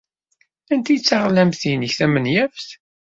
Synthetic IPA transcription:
ænt̪ijt͡sːaʁlæmθinəçθæmənjæfθ

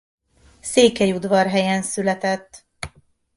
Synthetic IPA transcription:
seːkɛjud̪vɒrɦɛjɛnsylɛt̪ɛt̪ː

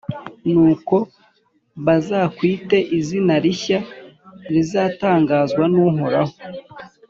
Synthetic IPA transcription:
nuːko̞ | βazaːkwiːte̞ʔizinaɾiçaɾizaːtaːŋɡaːzɡwanuɦoɾaho̥

